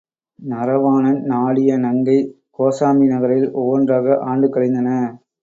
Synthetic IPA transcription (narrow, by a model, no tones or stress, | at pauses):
nɐɾɐʋaːnɐnnaːɭɪjɐnɐŋɡɐɪ | koːsaːminɐɣɐɾɐɪlɔʋːɔndraːɣɐʔaːɳɖɯkːɐɭɪnd̪ɐnɐ